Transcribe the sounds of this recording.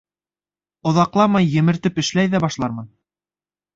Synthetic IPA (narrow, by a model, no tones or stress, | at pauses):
ŏðɑqlˠɑmɑjːɘ̆mɘ̆ɾt̪ɘpɘ̆ʃlæjðæbɑʃlˠɑɾmɤn